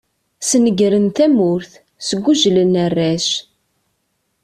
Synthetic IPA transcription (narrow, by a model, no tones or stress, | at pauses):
snəɡɾənt̪æmʊɾθ | səɡʷːuʒlənərːæʃ